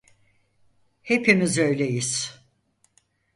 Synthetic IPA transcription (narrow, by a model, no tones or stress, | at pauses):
he̞pʰimizø̞jlʲejiz̥